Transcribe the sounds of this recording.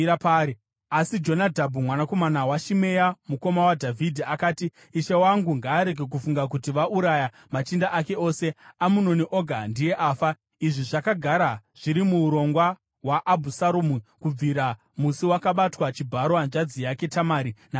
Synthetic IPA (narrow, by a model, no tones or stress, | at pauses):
pai | asid͡ʒo̞nadʱabʱumwanako̞manawaʃimejamuko̞mawadʱavʱidʱiakaːtiː | ʃewaŋɡuŋɡaːɾe̞ɡʱe̞k̬ufuŋɡak̬utiʋaʔuɾaja | mat͡ʃindaʔake̞o̞ːse̞amuno̞niʔo̞ɡʱandije̞ʔaːfa | iʐiʐakaɡʱaɾaʐ̥iɾimuːɾo̞ŋɡwa | waʔːbʱusaɾomukub͡viɾa | musiwakaɓatwat͡ʃibʱaɾoand͡ʒad͡zijake̞tamaːɾina